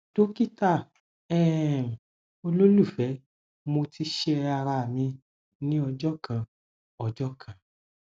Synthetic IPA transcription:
to˦ki˦˨ta˦˨ | ɛ˦˨ | o˧lo˦lu˦˨fɛ˨˦ | mo˧ti˧˦ʃe˦a˧ɾa˧˨mĩ˧ | nĩ˦ɔ˧d͡ʒɔ˦kã˧ | ɔ˧d͡ʒɔ˦kʰã˨

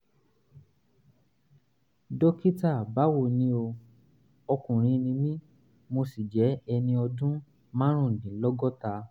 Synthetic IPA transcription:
dɔ˦ki˦ta˦˨ba˨˦wo˦˨nĩ˦o˧ | ɔ˧kũ˨ɾ̃ĩ˧˦nĩ˧mĩ˦ | mo˧si˨d͡ʒɛ˨˦ɛ˧nĩ˧ɔ˧dũ˦ | mã˦ɾ̃ũ˦˨dĩ˨˦lɔ˦ɡɔ˦ta˧

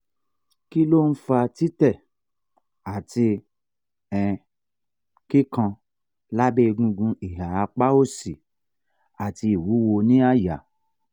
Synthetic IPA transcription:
ki˦lo˦˨n̩˦fa˧ti˦tɛ˦˨ | a˨ti˧ | ɛ˨ | ki˦kã˧ | la˦be˦˧ɡũ˧ɡũ˧i˨ɦa˨a˨˧k͡pa˦o˦si˨ | a˨ti˧i˨wu˨˦wo˧nĩ˦a˦˨ja˨

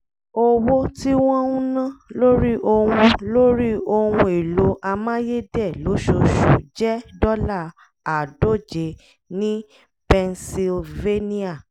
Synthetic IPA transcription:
o˦wo˦ti˦w̃ɔ̃˦ũ˦nã˦lo˦ɾi˦ʔo˧wũ˧lo˦ɾi˦o˧wũ˧e˨lo˨˦ʔa˧mã˦je˦dɛ˦˨lo˨˦ʃo˨ʃu˨d͡ʒɛ˦dɔ˦la˦˨ | a˨do˦˨d͡ʒe˨˦ | nĩ˦ | pɛ˧nsi˧lve˦ni˦a˦˨

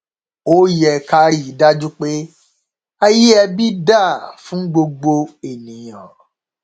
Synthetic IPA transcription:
o˦jɛ˨ka˧ɾi˦i˨˦da˦d͡ʒu˦k͡pe˦ | a˧ji˦ɛ˧bi˦da˦˨fũ˦ɡ͡bo˧ɡ͡bo˧e˨nĩ˨jɔ̃˨

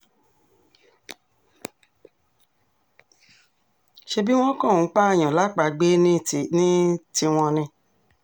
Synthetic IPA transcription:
ʃe˧bi˦w̃ɔ̃˦kɔ̃˦˨˦k͡pa˦e˦˨j̃ɔ̃˨la˨˦k͡pa˧˨ɡ͡be˦nĩ˦ti˧w̃ɔ̃˧nĩ˧

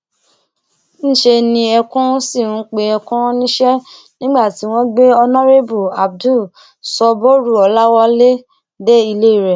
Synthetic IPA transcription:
ñ̩˦˨ʃe˧nĩ˧ɛ˧kũ˦si˦˨ũ˨˦k͡pe˧ɛ˧kũ˦nĩ˦ʃɛ˦ | nĩ˦ɡ͡ba˦˨ti˨˦w̃ɔ̃˦ɡ͡be˦ɔ˧nɔ˦ɾe˦bu˨a˨b̚du˦˨ | sɔ˧bo˦ɾu˦˨ɔ˨˧la˦wɔ˦le˦ | dɛ˦i˧le˦i˦˨ɾɛ˨

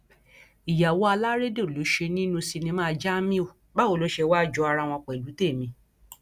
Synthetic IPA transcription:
i˨ja˨wo˦a˧la˦ɾe˦de˦˨o˨lo˨˦ʃe˧nĩ˦nũ˧si˧nĩ˧mã˦˧d͡ʒa˦mĩ˦o˦˨ | ba˦o˦˨lo˨˦ʃe˧wa˦˨d͡ʒɔ˨˦a˧ɾa˧w̃ɔ̃˧k͡pɛ˨lu˨˦te˦˨mĩ˧

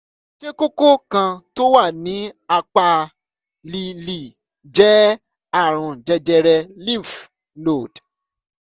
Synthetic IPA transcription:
ʃe˦ko˦ko˦kã˧to˦wa˦˨nĩ˨˦a˧k͡pa˧ | li˨li˨ | d͡ʒɛ˨˦ | a˦˨ɾ̃ũ˨d͡ʒɛ˧d͡ʒɛ˧ɾɛ˧li˦˨f | lo˨d̥

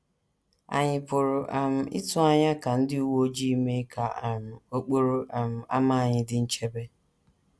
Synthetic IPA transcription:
a̰˨ɲɪ˨pʊ˨ɾʊ˨ʔa˨m̩˨ʔɪ̰˦tʊ˦a˦ɲa˦ka˨n̩˦dɪ˦u˦wo˦d͡ʒi˦i˦me˦ka˨m̩˨o˦k͡po˦ɾo˦ʔa˨m̩˨a˦ma˦a˨ɲɪ˨dɪ˦n̩˦t͡ʃe˦be˦

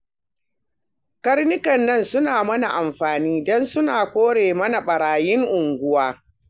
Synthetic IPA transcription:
kɐ˦rnɪ˦kɐ˨nːɐ˦nsʊ˦naː˨mɐ˦na˨ʔa˨mɸaː˨niː˦dɔ˦nsʊ˦naː˨kʷoː˦ɽeː˨mɐ˦na˨ɓɐ˨ɾaː˨jɪ˦ŋʔʊ˨ŋɡʷʊ˦waː˦

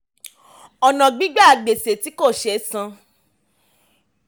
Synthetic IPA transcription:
ɔ˨nã˨ɡ͡bi˨˦ɡ͡ba˦a˧ɡ͡be˨se˨ti˨˦ko˦˨ʃɛ˧˦sã˧

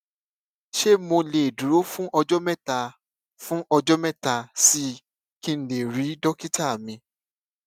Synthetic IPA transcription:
ʃe˦mo˧le˨du˨ɾo˦fũ˦ʔɔ˧d͡ʒɔ˦mɛ̃˦˨ta˧ | fũ˦ʔɔ˧d͡ʒɔ˦mɛ̃˦˨ta˧si˦ | kĩ˦n̩˨le˨ɾi˨˦dɔ˦ki˦ta˦˨mĩ˧

